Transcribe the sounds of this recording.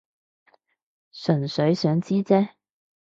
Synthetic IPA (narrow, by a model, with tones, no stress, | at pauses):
sɵ˨˩nsɵ˨˥ɥsœː˨˥ŋt͡siː˥t͡sɛː˥